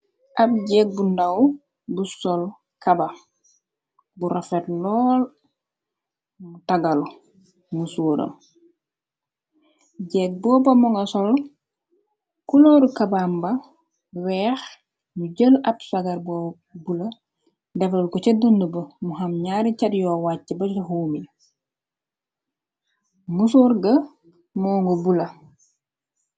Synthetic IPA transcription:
ʔab̚ɟɛːk̚bundaw | busɔl | kaba | buɾʔafɛtlɔːl | mutaɡalu | musoːɾo̰ | ɟɛk̚bɔːbamɔŋɡasɔl | kuloɾukabamba | wɛːx | muɟəlɐpsaɡɐɾbɔː | bulɐ | dɛfɐlkɔt͡ʃɛdundubɐmuɦɐmɲaːɾicɐdjɔːwaːcːəbɐɔɦuːmi | musoːɾɡɐ | mɔːŋɡobulɐ

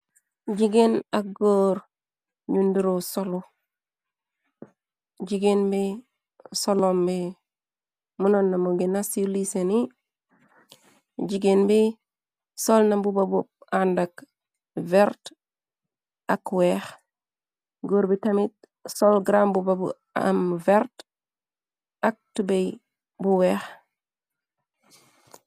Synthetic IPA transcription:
ɟiɡenak̚ɡoːɾ | ɲundiɾosolu | ɟiɡenbi | solombi | munonːamuɡenasiliseni | ɟiɡenbi | solnambubabup̚andak | veɾt | akwex | ɡoɾbitɐmit̚ | solɡɾambubabṵ | a̰mveɾt | ak̚tubej | buwex

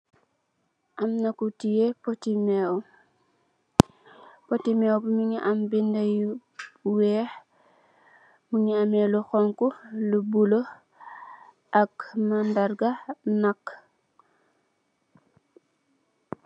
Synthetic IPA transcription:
ʔɐmnakutijepotimɛ | potimɛwbumiɲiʔambindɐjuwɛːx | muɲiameluxɔŋkulubulo | ʔɐkmandaɾɡanakː

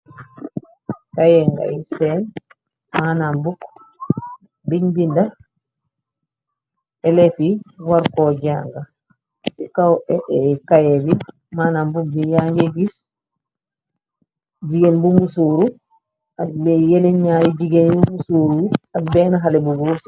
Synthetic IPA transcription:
kajɛŋɡa̰isɛn | manambuk | biɲbinda | ɛlɛfiwaɾkɔd͡ʒaŋɡa | sikawɛɛkajɛli | maːnambuk̚bijaŋɡɛɡis | d͡ʒiɡɛnbumusuːɾu | abɛjɛnɛɲɲajid͡ʒiɡɛnbumusuːɾuabɛnaɦalɛbuɡuɾus

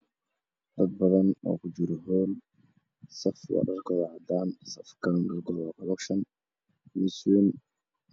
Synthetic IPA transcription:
d̪ɐd̪̚bɐðɐnɔ̰ːkʰʊd͡ʒɪɾɔɦɔːn | sɐfwɑ̰ɖɐrɡɔðɔʕɑd̪aːnsɐfkʰɐɖɐrɡɔðɔkʰɔlɛkʃɐn | misn

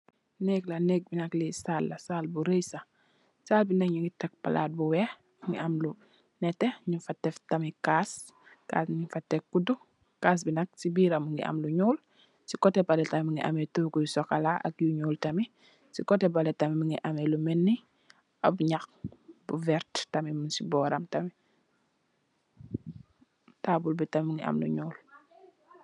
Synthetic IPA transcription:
nɛklɐnɛk̚binɐklisaːlːɐsaːlbuɾejsa | saːlbinakɲuŋɡitɛk̚pala̰ːt̚buwɛː | ŋɡḭɐmlu | nɛtːɛɲifatːɛftɐmikaːs | ka̰ːsɲifatːɛkudu | kaːs̬binɐk̚sibiːɾamuŋɡḭʔɐ̰mluɲuːl | sikɔtɛbɐlɛtammuŋɡiʔɐ̰metukujusɔkalaʔɐ̰k̚juɲuːltɐmi | sikɔtɛbɐlɛtɐmimuŋɡiʔɐmelumɛnːi | ɐbɲaxbuvɛɾttɐmimunsibɔːɾɐmtɐmi | taːbulbitɐmuŋɡḭʔɐ̰mlṵɲuːl

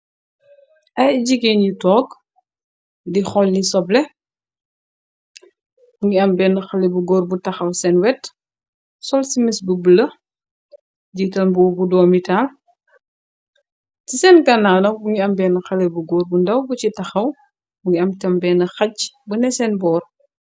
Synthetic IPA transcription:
ʔɐjɟiɡinjitɔːk | dixɔlːisɔblɛ | buŋɡiɐmbɛːnɐxɐlɛbuɡɔːrbutɐxɐwsɛnwɛt | sɔlsimisbubəlɐ | ɟiːtɐnbɔːbudɔːmitaːl | tisɛnkɐnːaːnɐbuŋiɐmbɛːnɐxɐlɛbuɡɔːrbundɐwbucitɐxɐw | buŋɡiɐmtɛmbɛːnɐxɐcbunɛsɛnbɔːr

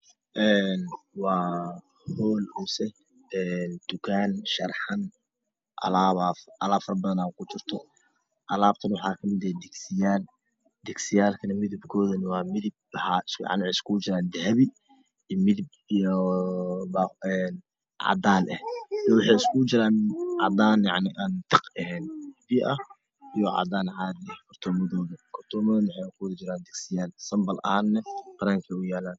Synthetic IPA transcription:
ʔɛːnwɑː | hɔːlɔːsɛ | ɛːnd̪̥ʊkʰaːnʃɐrħɑn | ʔɐ̰laːβaʔɐlaːbfɐrɾbɐðɐnaːkʰʊt͡ʃɪrt̪ʰɔ | ʔɐlaːb̚t̪ʰɐnwɑħɑːkʰɐmɪðɛːd̪ɛɡsɪjaːl | d̪ɛɡsɪjaːlkʰɐnɐmɪðɪbkʰɔːðɐnɐwɑːmɪðɪb̚ɐhaɪskʕɑ̰nʕɪskʰut͡ʃɪɾaːnd̪ɐɦɐβi | mɪðɪb̚ | ijɔ | baɛn | ʕɑ̰d̪aːnʔɛhɔwʊħɛɪskʊd͡ʒɪɾaːnʕɑ̰d̪aːnjɑʕnɪʔant̪ʰɪqɛɛnbɪʔɐ | ʔijɔʕɑ̰d̪aːnʕaːd̪ɛkʰʊrt̪ʰɔːmɐðɔːðɐkʰʊrt̪ʰɔːmɐðnɪʕɛkʰuðd͡ʒɪɾaːnd̪ɛɡsɪjaːlsɐmbɐlʔɐ̰haːnːɛqɑɾaːŋkʰɛʊjaːlaːn

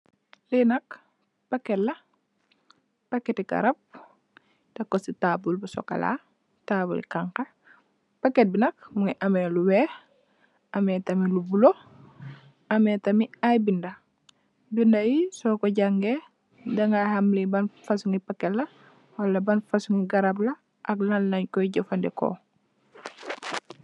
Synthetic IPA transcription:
linɐk | pɐkːɛtlːɐ | pɐketikɐ̰ɾɐp̚ | d̥ɐkːɔsitaːbulbusɔ̰ka̰la̰ | taːbṵlḭkaŋkɐ | pɐket̚binɐk̚muŋiʔɐmɛluwɛːh | ɐmɛtɐmilubulo | ɐmɛtɐmiajbindɐ | bindɐjisɔkoɟaŋɡe | dɐŋɡahamlibanfasuŋipakːɛtlɐ | walːɐbɐnfasuŋiɡɐɾablɐ | ʔɐklɐlːɐɲkɔiɟɐfandɛko̰

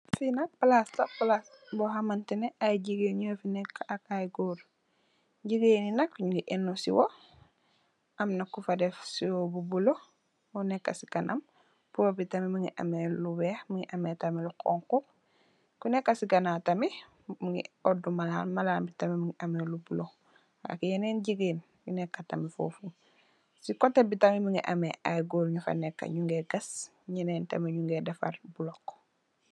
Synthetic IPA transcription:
finɐk̚plastɐplas | boɦamantineajɟiɡeɲofinɛkːakajɡuɾ | ɟiɡeninɐkːɲuɡiʔenːusḭwo | ʔɐmnɐkufadefsiwobubulo | unɛkːɐsiɡanʔam | pubitɐmimuŋḭʔa̰melubɛxmuŋiʔametamilukɔ̰ŋkup̚ | kunɛkːasiɡɐnatɐmi | muŋḭodumalaːnmalaːnbitamimiŋiʔamelubulo | a̰kijeneːnɟiɡiːn | junekːatamifo̰fu | sikotːebitamimiŋḭʔameʔajɡoːlɲufa̰nekːa̰ɲuŋɡeɡɐs | ɲineːntɐ̰miɲuŋɡedɐfa̰ɾbulokː

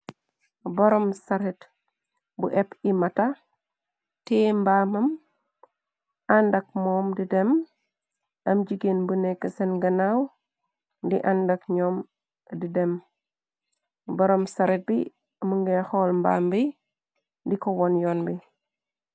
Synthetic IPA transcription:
boɾɔmsaɾet | buʔepimata | tembaːmɐm | andak̚mɔːmdidem | ɐmd͡ʒiɡenbunekːɐsenɡɐnaw | ndiʔandakɲɔːm | didem | bɐɾomsaɾet̚bi | muŋɡexɔlmba̰ːmbi | ndikowɔnjɔnbi

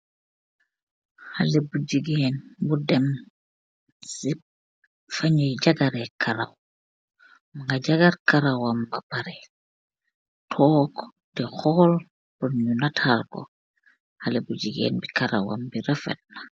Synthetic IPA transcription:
halɛbud͡ʒiɡeːnbudɛm | si | faɲɔjɟaɡaɾɛkʰaɾa̰w | maŋɡaɟaɡaɾkaɾawambabaɾɛ | tʰɔːk | tɛxɔl | pɔɲunatʰalkɔ̰ | halɛbud͡ʒiɡḛːnbikaɾa̰wa̰mbiɾɛfɛ̰t̚na

